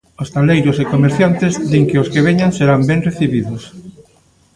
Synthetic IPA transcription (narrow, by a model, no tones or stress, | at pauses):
ost̪alejɾosekomeɾθjant̪ezd̪iŋkeoskeβ̞eɲanseɾambeŋreθiβiðos